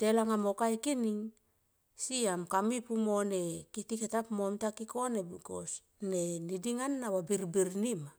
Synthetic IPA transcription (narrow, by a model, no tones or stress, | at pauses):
telaŋamokajkiniŋ | siamkamipumone̞kitiketapmomtakiko̞nebiɡos | nenidiŋanːawabiɾbiɾnima